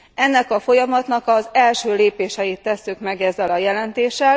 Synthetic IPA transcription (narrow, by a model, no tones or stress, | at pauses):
ɛnːɛkɒfo̞jɒmɒt̪nɒkɒzɛlʃøːleːpeːʃɛjit̪ːɛsːykmɛɡɛzːɛlɒjɛlɛnt̪eːʃːɛl